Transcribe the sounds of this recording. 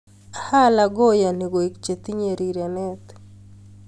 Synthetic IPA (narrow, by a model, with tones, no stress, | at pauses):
a˨ha˦la˨ɡo˦ja˨ni˨ɡo˨i˨kt͡ʃe˨t̪i˦ɲe˨ɾi˨ɾja˨nɛ˦t̪